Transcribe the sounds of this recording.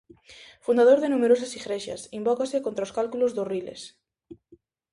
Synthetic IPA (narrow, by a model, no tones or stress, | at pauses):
fund̪aðoɾðenumeɾosasiɣɾeʃa̰simbɔkasekont̪ɾaoskalkulozðorilḛs